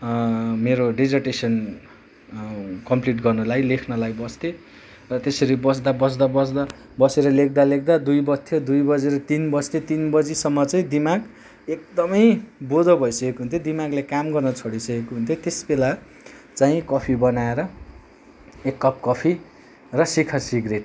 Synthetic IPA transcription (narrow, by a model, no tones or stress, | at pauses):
meɾoɖid͡zʌrʈesʌn | kʌmpliʈɡʌrnʌlajlekʰnʌlajbʌst̪e | rʌt̪esʌɾibʌs̬d̪abʌs̬d̪abʌsd̪a | bʌseɾʌlek̚d̪alek̚d̪ad̪ujbʌt̪ʰːjod̪ujbʌd͡zeɾʌt̪inbʌst̪et̪inbʌd͡zisʌmːʌt͡saĩd̪imaɡ | ek̚d̪ʌmʌjbod̪ʌbʱʌjsʌkekoɦunt̪ʰod̪imaɡlekamɡʌrnʌt͡sʰʌɽisʌkekoɦunt̪ʰjot̪esbela | t͡saĩkʌpʰibʌnaeɾʌ | ekːʌp̚kʌpʰi | rʌsikʰasiɡreʈ